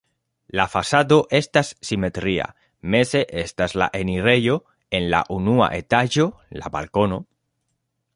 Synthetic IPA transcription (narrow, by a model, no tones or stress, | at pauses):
lafasad̪oʔe̞st̪asːime̞t̪ɾia̰ | me̞ze̞ʔe̞st̪azla̰ʔe̞niɾe̞jo̞ | e̞nla̰ʔunua̰ʔe̞t̪aʒo̞la̰ba̰lko̞no̞